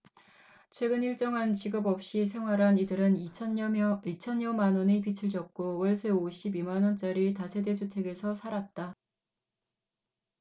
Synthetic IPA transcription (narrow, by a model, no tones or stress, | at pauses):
t͡ɕʰwe̞ɡɯniɭt͡ɕ͈ʌŋɦant͡ɕiɡɯbʌp̚ɕ͈isʰe̞ŋɦwaɾanidɯɾɯnʰ | it͡ɕʰʌnjʌmanwʌnipit͡ɕʰɯɭd͡ʑʌk̚k͈owʌɭsʰeoɕʰibimanwʌnt͡ɕ͈aɾitasʰe̞de̞d͡ʑʰutʰe̞ɡe̞sʰʌsʰaɾat̚t͈a